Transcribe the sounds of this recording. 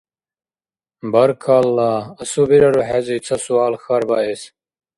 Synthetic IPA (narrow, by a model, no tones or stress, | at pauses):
bɐɾkʰalːaːɐsubiɾɐɾoɦezit͡sʰɐsuaːlxɐɾbaːes